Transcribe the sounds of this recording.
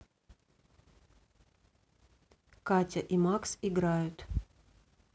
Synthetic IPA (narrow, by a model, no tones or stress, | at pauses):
katʲɐʔimaksiɡɾajʊt̪